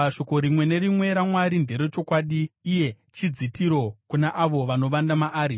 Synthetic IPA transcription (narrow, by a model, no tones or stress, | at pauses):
aʃo̞ko̞ɾimwe̞ne̞rimwe̞ɾamwaɾinde̞ɾot͡ʃo̞kwaɗiːje̞ | t͡ʃid͡zitiɾo̞kunaʔaʋo̞ʋano̞ʋandamaʔaːɾi